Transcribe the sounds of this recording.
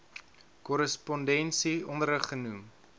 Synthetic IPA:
kɔɾəspɔndɛnsiɔndəɾəχənum

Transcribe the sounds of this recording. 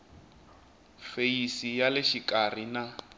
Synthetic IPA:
feisijalɪʃikʼar̤ina

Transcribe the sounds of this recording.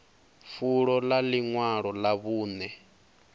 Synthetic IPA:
fuɺɔlaliŋwaɺɔlaβuːnɛ

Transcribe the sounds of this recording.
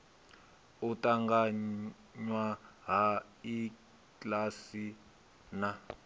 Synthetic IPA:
utʼaŋɡa | ɲwaɦa | i | klasi | na

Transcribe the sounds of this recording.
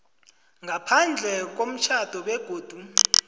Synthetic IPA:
ŋapʰand͡ɮʱɛk̬om̩t͡ʃʰad̥ʱɔɓɛɡ̥ʱoːd̥ʱu

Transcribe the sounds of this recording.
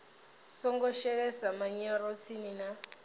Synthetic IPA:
sɔŋɡɔʃɛɺɛsamaɲɛɾɔt͡sʰinina

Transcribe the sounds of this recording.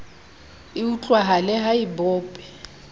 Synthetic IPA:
iut͡ɬʼwaɦalɛɦaibʊːpʼɛ

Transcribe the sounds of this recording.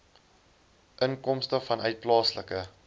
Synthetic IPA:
ʔənkɔmstəfɐnœɥt̚plɑːslə̰kə

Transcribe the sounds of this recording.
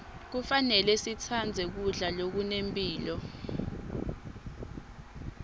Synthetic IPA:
k̬ufanɛlɛsitʰand͡zʱɛk̬uɮalok̬unempʼiːlɔ

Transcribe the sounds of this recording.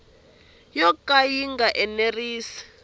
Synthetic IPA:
jɔkʼajiŋɡaʔɛneriːsi̥

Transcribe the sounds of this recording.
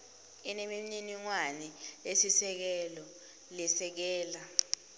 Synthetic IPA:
inemimɲiniŋwanɛlesisɛk̬ɛlɔ | lɛsɛk̬ɛːla

